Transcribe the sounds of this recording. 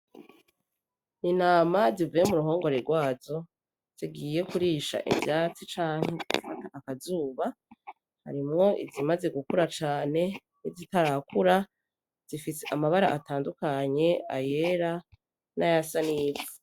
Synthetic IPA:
ninaːmazivujemuɾuɦo̞ːŋɡo̞ɾeɾɡwaːzo̞ | z̥iɡiːje̞kuɾiːʃa̰ʔḭvjaːt͡sit͡ʃaːŋ̥heziɡufataʔakazuːβa | ha̰ɾimŋo̞ʔḭzimaze̞ɡukuɾat͡ʃaːne̞ | nizitaɾakuɾa | z̥ifiseʔamaβaɾaʔataːndukaɲe̞aje̞ɾa | najasaniːbi

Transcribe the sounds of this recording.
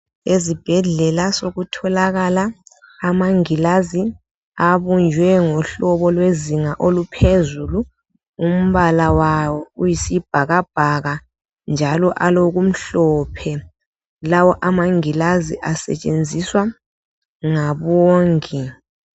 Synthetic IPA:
ezib̥ʱɛɮɛlasoɣutʰɔlaɣalaː | maŋilazi | aβund͡ʒʱwɛŋɔɬɔβɔlweziŋaʔolupʰezulu | um̩βalawawɔujisib̥ʱaɣab̥ʱaɣa | nd͡ʒʱalɔʔaloɣum̩ɬɔpʰɛ | lawɔʔamaŋilaziʔasɛ̰t͡ʃʼend͡zʱiswa | ŋaβɔːŋɛ

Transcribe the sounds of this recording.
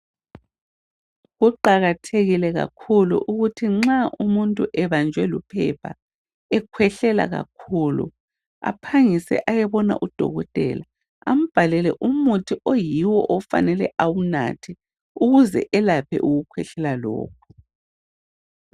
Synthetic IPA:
ɣuǃaɣatʰeɣilɛɣa̰kʰulṵʔuɣutʰiŋ͡ǁaʔumuntʼuʔɛβand͡ʒʱwɛlupʰɛ̰pʰa̰ | ɛkʰwɛɬɛla̰ɣa̰kʰuːlṵ | a̰pʰaŋisɛ̰ʔajɛβɔna̰ʔud̥ʱɔ̰ɣɔtʼɛ̰la | am̩b̥ʱalɛlɛʔumutʰiʔojiwɔʔɔfa̰nɛlɛʔawuna̰tʰi | uɣuzɛ̰ʔɛlapʰɛ̰ʔuɣukʰwɛɬɛlalɔ̰ːk̚ʰɔ̥

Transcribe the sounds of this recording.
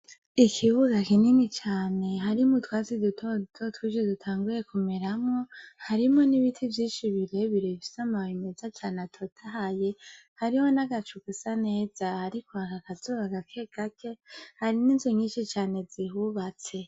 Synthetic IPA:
ikʰiβuɡakininit͡ʃaːne̞ɦaɾimutwaːzidutʰotʰotwid͡ʒedutʰaːŋɡuɾe̞kumeɾamŋohaɾimo̞niβitʰivjiːʃiβiɾeβiɾevisamawime̞zat͡ʃaːneatʰo̞tʰaɦaje̞ | haɾiwonaɡat͡ʃukisaneːz̥ahaɾikʰohakakazoβaɡakʰe̞ɡ̥akʰe̞haɾiniːnzuɲiːnʃit͡ʃaːne̞zihuβat͡se̞

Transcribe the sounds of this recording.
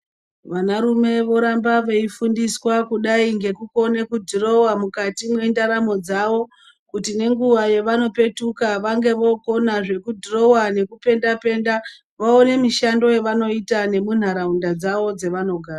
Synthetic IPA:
ʋanaɾume̞ʋo̞ɾambaʋe̞ifundiswakuɗaiŋɡe̞kuko̞ne̞kudʱiro̞wamukatimwendaɾamo̞d͡zaʋo̞ | kutine̞ŋɡuʋaje̞ʋano̞pe̞tukaʋaŋɡe̞ʋo̞ko̞naʐe̞kudʱiro̞wane̞kupe̞ndape̞ːnda | ʋaone̞miʃando̞jeʋano̞itane̞mun̤aɾaundad͡zaʋo̞d͡ze̞ʋano̞ɡʱaːɾa

